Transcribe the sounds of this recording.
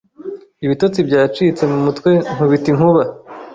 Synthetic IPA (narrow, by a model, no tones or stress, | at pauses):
iβito̞t͡sibɟaːt͡ʃiːt͡se̞mumutkwe̞ŋ̥uβitiŋ̥huβa